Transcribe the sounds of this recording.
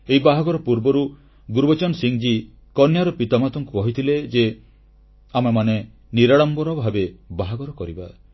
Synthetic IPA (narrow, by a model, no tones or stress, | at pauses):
eɦibaɦaɡɔɾɔpuɾbɔɾu | ɡuɾbɔt͡ʃɔnsiŋd͡ʒi | kɔnjaɾɔpit̪amat̪ɔŋkukɔɦit̪ʰiled͡ʒe | amamane | niɾaɽ̃ɔmbɔɾɔbʱabebaɦaɡɔɾɔkɔɾiba